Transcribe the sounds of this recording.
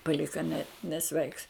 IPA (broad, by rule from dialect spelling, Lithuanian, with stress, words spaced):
pɐˈlʲɪkɐ nʲɛ nʲɛˈsʲʋʲɛɪks